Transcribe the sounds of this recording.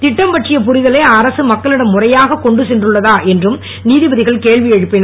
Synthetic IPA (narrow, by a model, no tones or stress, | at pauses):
t̪ɪʈːɐmpɐʈrɪjɐp̬ʊrɪðɐleːɐɾɐsɯmɐkːɐɭɪɽɐmːʊrɐjaːɣɐkɔɳɖɯsɛndrɯɭːɐðaːʔɛndrɯm | niːðɪbɐðɪɣɐɭkeːɭʋɪɛɻɯpːɪn